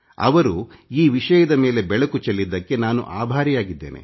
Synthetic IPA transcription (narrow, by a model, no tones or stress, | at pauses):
ɐ̰ʋɐɾu | iːʋiʂɐjɐd̪ɐme̞ːle̞bɛɭɐkut͡ʃelːid̪ːɐkːe̞naːnṵʔaːbʱaːɾijaːɡid̪ːe̞̰ːnʔe̞̰